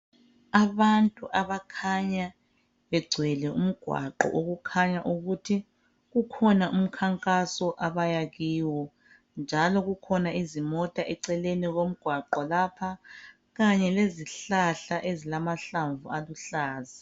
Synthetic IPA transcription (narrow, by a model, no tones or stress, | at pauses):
aβantʼuʔaβakʰaɲa | βɛɡ͡ǀʱwɛlɛum̩ɡ̥ʱwa̰ǃɔ̰ʔoɣukʰaɲaʔuɣutʰi | ɣukʰɔnaʔum̩kʰaŋkʼasɔʔaβajaɣiːwɔ | nd͡ʒʱalɔɣukʰɔnaizimɔtʼaʔɛǀɛleniɣom̩ɡ̥ʱwaǃɔlapʰa | ɣaɲɛleziɬaɬaʔezilamaɬaɱvualuɬaːzi